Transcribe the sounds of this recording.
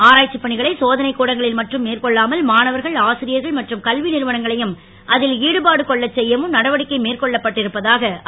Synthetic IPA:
aːɾaːt͡ʃːɐpːɐɳɪɣɐɭɐɪsoːðɐnɐɪkːuːɽɐŋɡɐɭɪlmɐʈrɯmːeːɾkɔɭːaːmɐlmaːnɐʋɐɾɣɐɭaːsɪɾɪjɐɾɣɐɭmɐʈrɯmkɐlʋɪnɪɾɯʋɐnɐŋɡɐɭɐjɯm | ʔɐðɪliːɽɯbaːɽɯkɔɭːɐt͡ʃːɛjːɐʋɯmnɐɽɐʋɐɽɪkːɐɪmeːɾkɔɭːɐpːɐʈːɪɾɯpːɐðaːɣɐ

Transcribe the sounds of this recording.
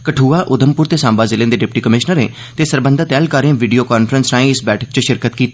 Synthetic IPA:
kəʈʰuːaːʔʊd̪əmpʊɾt̪eːsãːmbaːzɪlẽːnd̪eːɖɪp̚ʈiːkəmɪʃnəɾḛ̃ː | t̪eːsəɾbə̃nd̪aːt̪ɛːlkəɾẽːʋiːɖijoːkaːnfʰəɾənsnaːĩɪsbɛːʈʰək̚t͡ʃəʃɪɾkət̪kiːt̪ː

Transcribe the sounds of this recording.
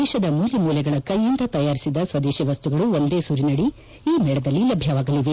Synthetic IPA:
ɛːʃɐd̪ɐmuːlimuːlɛɡɐɭɐkɐjːind̪ɐt̪ɐjaːɾisid̪ɐsʋɐd̪eːʃɛʋɐst̪uɡɐɭuond̪e̞ːsuɾinɐɽi | iːmɛɭɐd̪ɐlːilɐbʱjɐʋaːɡɐliʋe

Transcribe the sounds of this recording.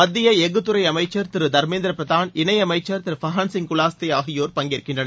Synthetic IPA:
mɐd̪ːɪjɐɛɣɯt̪ːɯɾɐɪɐmɐɪt͡ʃːɐɾt̪ɪɾɯd̪ɐɾmeːnd̪ɪɾɐpɾɐðaːnɪnɐɪɐmɐɪt͡ʃːɐɾt̪ɪɾɯfɐɦɐnsɪŋkʊlaːst̪ɐjaːɣɪjoːɾpɐŋɡɪɾɯkːɪndrɐnɐ

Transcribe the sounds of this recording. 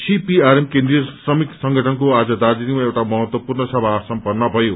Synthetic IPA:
sipiaɾemkend̪rijʌsrʌmiksʌŋɡʱʌʈʰʌnkoad͡zʌd̪ad͡zinimaewʈamʌɦʌt̪wʌpurnʌsʌbʱasʌmpʌrnʌbʱʌjo

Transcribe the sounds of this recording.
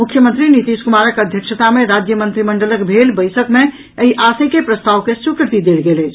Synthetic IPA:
mukʰːjəmənt̪ɾinit̪iskumaɾəkəd̪ʱjəksət̪ameɾad͡ʒjəmənt̪ɾiməɳɖələkbʱelbəjsəkme | əiʔasekepɾəst̪aʋkesukɾt̪id̪elɡelət͡ʃʰ

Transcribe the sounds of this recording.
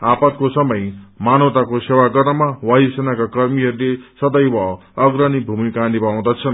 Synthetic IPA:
apʌt̪kosʌmʌjmanʌwt̪akosewaɡʌrnʌmawajisenakakʌrmiɦʌɾulesʌd̪ʌjwʌː | ɡɾʌnibʱumikanibaw̃d̪ʌt͡sʰʌn

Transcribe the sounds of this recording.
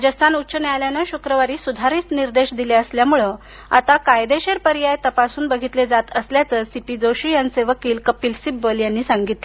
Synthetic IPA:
d͡ʑəst̪ʰanut̪ːt͡ɕənjaljanəɕukɾəʋaɾiːsud̪ʱaɾiːt͡sniɾd̪eɕd̪ileəsljamuɭə | a̰t̪akajd̪eɕeɾpəɾijajt̪əpasuːnbəɡʱit̪led͡zat̪əsljat͡səːsipid͡zoɕiːjanseʋəkiːlkəpiːlsibəljanːiːsaŋɡit̪le

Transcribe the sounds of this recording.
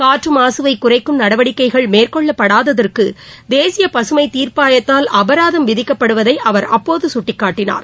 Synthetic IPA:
kaːʈrɯmaːsɯʋɐɪkːʊrɐɪkːɯmnɐɽɐʋɐɽɪkːɐɪɣɐɭmeːrkɔɭːɐpːɐɽaːðɐðɐrkɯd̪eːsɪjɐpɐsɯmɐɪt̪iːɾpaːjɐt̪ːaːlʔɐbɐɾaːðɐmʋɪðɪkːɐpːɐɽɯʋɐðɐɪʔɐʋɐɾɐpːoːðɯsʊʈːɪkːaːʈːɪna̰ːɾ

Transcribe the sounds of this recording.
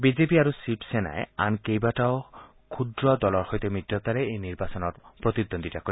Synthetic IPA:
bizepiaɹusipsena̰ea̰nkejbataʊ | kʰud̪ɹɔdɔlɔɹxojt̪ɛmidːɔt̪aɹɛejniɹbasɔnɔɹpɹot̪id̪ond̪itakoi

